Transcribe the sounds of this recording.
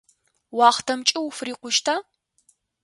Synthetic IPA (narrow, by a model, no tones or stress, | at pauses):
wɑːχtʰɐmt͡ʃʼɪwʊfriːqʷʊʃtʰaː